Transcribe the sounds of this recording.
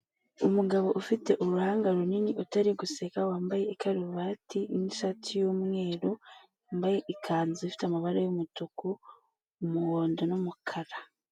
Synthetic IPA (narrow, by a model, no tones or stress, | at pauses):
umuɡaβo̞ʔufite̞ʔuɾuhaːŋɡaɾuniniʔutaɾiɡusekawaːmbaje̞ikʰaɾuβaːtʰiniʃatʰijomŋe̞ːɾo | mbaje̞ʔikʰaːnziifi̥tamaβaɾejomutuku | muwoːndo̞nomukʰaɾa